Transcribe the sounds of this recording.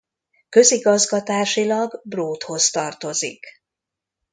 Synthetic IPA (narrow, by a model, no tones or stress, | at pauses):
kø̞ziɡɒzɡɒt̪aːʃilɒɡbroːt̪ho̞st̪ɒrt̪o̞zḭk